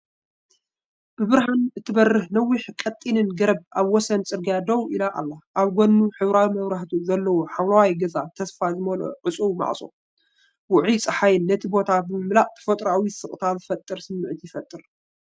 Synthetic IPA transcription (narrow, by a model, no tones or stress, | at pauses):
b̥ɨβɨɾɦanɨt̪ʰːɨbɐrːɨhnɐwːiħkʼɐt̪ʼːinɨnɡɐɾɐb̚ʔaβwɔsɐnt͡sʼɨɾɡad̪ɐwʔilaʔa̰lːaʔaβɡonːuħɨβɾawimɐβɾaht̪ʰuzɐlːɐwoħawlawajɡɐzat̪ʰɐsfazɨmɐlo̰ʕɨt͡sʼuwma̰ʕsʼo̰ | wʊʕit͡sʼɐħajɪnːɐt̪ʰibo̞t̪ʰabɨmɨmlaʔʼt̪ʰɐ̥fɐt̪ʼɾawisɨχʼt̪ʰazɨfɐt̪ʼːɨɾsɨmːɨʕt̪jɪfɐt̪ʼːɨɾ